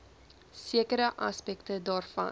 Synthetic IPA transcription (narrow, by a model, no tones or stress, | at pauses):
siəkəɾəʔɐ̰spɛktədɑːrfɐ̰n